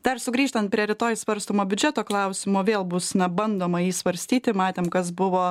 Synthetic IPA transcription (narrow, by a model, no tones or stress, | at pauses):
d̪ɐrsʊɡɾʲiːʃt̪ɐnt̪̚pʲɾʲiɛɾʲɪt̪oːjsʋɐɾst̪oːmoːbʲʊd͡ʒʲɛt̪oːklˠɐʊsʲɪmoːʋʲeːlˠbʊsnɐbɐnd̪oːmɐjiːsʋɐɾʲsʲt̪ʲiːt̪ʲɪmɑːt̪ʲeːmkɐs̬bʊʋoː